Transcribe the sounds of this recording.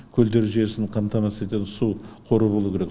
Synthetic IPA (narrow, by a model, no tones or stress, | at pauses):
kʲʰɵld̪e̞ɾʒije̞sɪnqʰɑmt̪ʰɑmɑset̪ensuqʰo̞ɾubolˠuwkʲʰeɾek